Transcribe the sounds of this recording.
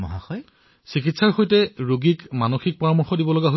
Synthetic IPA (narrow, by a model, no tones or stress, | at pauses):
mɔɦaxɔj | sikitsaɹxojtɛɹoɡikmanoxik̚pɔɹamɔɹxɔdibɔlɔɡaɦo